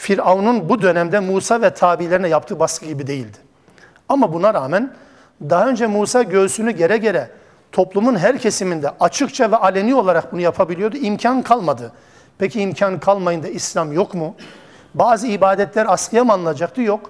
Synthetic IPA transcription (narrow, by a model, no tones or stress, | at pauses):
fiɾaununbud̪ø̞næmd̪ɛmuːsavɛt̪ʰaːbilʲe̞ɾinɛjap̚t̪ʰɯːbaskʰɯɟibid̪e̞jilʲd̪ɪ̥ | amabunaɾaːmæn | d̪aɦaø̞nd͡ʒɛmuːsaːɟø̞zsynyɟe̞ɾɛɟe̞ɾɛ | t̪ʰo̞plˠumunɦæɾcʰe̞simind̪ɛʔat͡ʃʰɯkt͡ʃʰavɛʔalʲenʲio̞lˠaɾak̚bunujapʰabilʲijod̪uimcʰankʰalˠmad̪ɯ | pʰecʰiːmcʰankʰalˠmajɯnd̪aislʲamjo̞kmu | baːzɯibaːd̪ɛt̪lʲæɾaskɯjamanːˠɯnad͡ʒak̚t̪ʰɯjok